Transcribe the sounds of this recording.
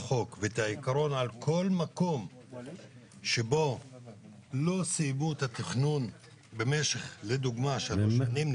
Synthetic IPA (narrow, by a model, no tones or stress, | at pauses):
χo̞kvet̪aikaɾo̞nalkʰo̞lmako̞m | ʃebo̞ | lo̞siːbut̪at̪iχnun | be̞me̞ʃe̞χled̪uɡmaʃaoʃanim